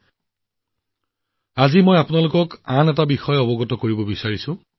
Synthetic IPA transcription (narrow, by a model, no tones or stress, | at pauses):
azimojapʊnalʊkɔkanɛt̬abixɔjɔbɔɡɔtɔkoɹibɔbisaɹisʊ̃